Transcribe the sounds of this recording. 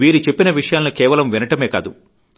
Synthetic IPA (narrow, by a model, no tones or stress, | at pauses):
ʋiːɾit͡ʃe̞pːinɐʋiʂɐjaːlɐnikɛːʋɐlɐmʋinɐʈɐme̞ːka̰ːd̪u